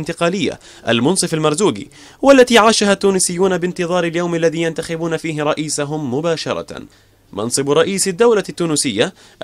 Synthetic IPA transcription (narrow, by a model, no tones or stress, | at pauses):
nt̪ɪqɑːlɪjːa̰ | ʔa̰lmʊnsˤɨfalmɑɾˤzuːɡḭː | walːat̪iːʕaːʃaɦat̪ːuːnɪsɪjːuːnabɪnt̪ɨðˤɑːɾɪljawmalːaðiːjant̪axɪbuːnafiːɦɪɾˤɑʔiːsaɦʊmːʊbaːʃɑ̰ɾˤɑ̰ | mɑ̰nsˤɨbɾˤɑʔiːsad̪ːawlat̪ːuːnusɪjːa | ʔ